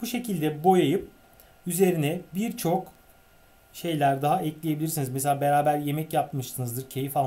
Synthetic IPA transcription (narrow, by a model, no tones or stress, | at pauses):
b̥uʃe̞cʰilʲd̪ɛbo̞jajɯp̚ | yze̞ɾinɛbiɾt͡ʃʰo̞k | ʃe̞jlʲæɾd̪aɦaɛclʲijebilʲiɾsinizmɛseaːbe̞ɾaːbæɾje̞mɛcjapmɯʃsɯnɯzd̪ɯɾcʰe̞jifa